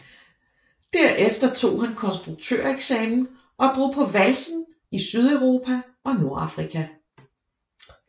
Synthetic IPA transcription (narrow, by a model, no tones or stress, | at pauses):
d̥æɐ̰ʔefd̥ɐt͡sʰo̝̰ːɦænkʰɒ̽nsd̥ʁuɡ̥̚t͡sʰø̰ɐ̰eɡ̥sɛːmn̩ | ʔɒ̽d̥ʁo̝̰ːpʰɒ̽ʋælsn̩ | isyð̞ˠæʊʁo̝ːpʰæ | ɒ̽no̝ɐ̰ɑ̈fʁikʰæ